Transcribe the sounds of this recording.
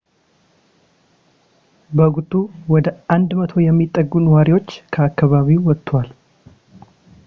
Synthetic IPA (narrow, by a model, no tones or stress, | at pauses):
bəɡut̪ʼːuwɔd̪əʔand̪mət̪ʰo̞jɛmːit̪ʼːəɡːunwaɾiwo̞t͡ʃːkʰəakːaβaβiwɔt̪ʼːwal